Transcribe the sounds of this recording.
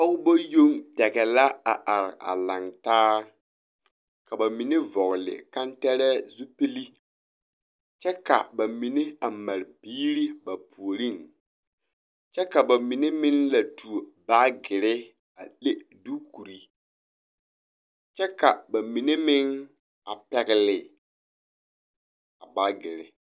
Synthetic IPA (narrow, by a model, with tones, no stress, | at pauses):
ɔ˦bo˦jo˦ŋdɛ˨ɡɛ˨la˦a̰˨ʔa˨ɾɪ̰˨ʔa̰˨la˨ŋtaː˦ | ka˨ba˨mi˨ne˦vɔ˨ɣlɪ̰˨ka˦ntɛ˦ɾɛː˦zu˦pi˦li˦ | t͡ʃɛ˦ka̰˨ba˨mi˨ne˦a˨ma˨ɾɪ˨biː˦ɾi˦ba˨pʰu˨o˨ɾi˦˨n | t͡ʃɛ˦ka˨ba˨mi˨ne˦mɪ˦nla˨tu˨o˨ba˦ɡɪ˨ɾɪ˦ | a̰˨le˦du˦ku˨ɾi˦ | t͡ʃɛ˦ka˨ba˨mi˨ne˦mɪ˦ŋ | a˨pɛ˨ɣɪ˦lɪ˨ | a˨ba˦ɡɪ˨ɾɪ̰˦